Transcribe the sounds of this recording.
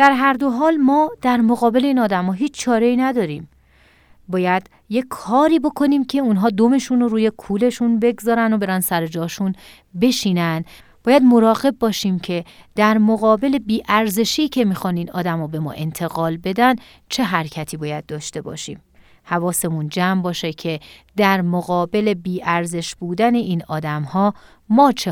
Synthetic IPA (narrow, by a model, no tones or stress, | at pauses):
d̪̥æɾɦæɾd̪o̞ɦɒːlmɒːd̪̥æɾmo̞ɣɒːbe̞leiːnɒːd̪æmɒːɦiːt͡ʃʰt͡ʃʰɒːɾe̞iːnæd̪ɒːɾiːm | bɒːjæd̪̥ | je̞kʰːɒːɾiːbo̞kʰo̞niːmcʰe̞unɦɒːd̪ome̞ʃunoɾuːje̞kʰuːle̞ʃunbe̞ɡzɒːɾænd̪obe̞ɾænsæɾe̞d͡ʒɒːʃun | be̞ʃiːnæn | b̥ɒːjæd̪mo̞ɾɒːɣe̞bːɒːʃiːmcʰe̞d̪̥æɾmoɣɒːbe̞le̞biːʔæɾze̞ʃiːcʰe̞miːxɒniːnɒ̰ːd̪æmhɔːbe̞mɒ̰ːʔe̞nt̪ʰe̞ɣɒːlbe̞d̪æn | t͡ʃʰe̞ɦæɾcʰæt̪ʰiːbɒːjæd̪̚d̪ɒːʃt̪e̞bɒ̰ːʃḭːm | hævɒːse̞mund͡ʒæːmbɒːʃecʰe̞d̪æɾmoɣɒːbe̞le̞biːʔæɾze̞ʃbuːd̪æne̞ʔiːnɒːd̪æmhɒː | mɒːt͡ʃʰe